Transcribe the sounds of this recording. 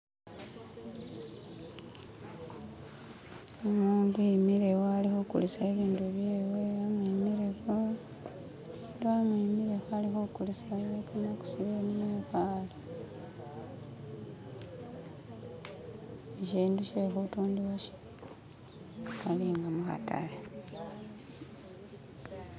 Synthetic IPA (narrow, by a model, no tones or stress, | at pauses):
omuːnduimiɾewoalixokṵlisaeβiːnduβjeːweamimiɾexo | doamiimiɾe̞xoalixokulisawekʰanoku̥siβenijexaːli | eciːnduʃeːxutuːndiwaʃe̥ | waliŋɡamuxa̰ta̰la